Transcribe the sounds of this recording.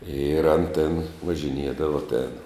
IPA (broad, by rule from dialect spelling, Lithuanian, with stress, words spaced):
ɪr ɐn tʲeːn ʋɐʒʲɪnʲˈiɛdɐʋɐ tʲeːn